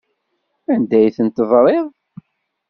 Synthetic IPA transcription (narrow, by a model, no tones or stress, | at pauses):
ænd̪æjθənt̪əvɾˤeðˤ